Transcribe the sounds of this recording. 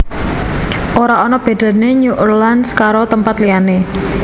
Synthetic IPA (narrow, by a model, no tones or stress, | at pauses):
ʔoɾaonɔb̥a̤ɖ̥a̤neɲuʔərlanskaɾot̪əmpat̪liane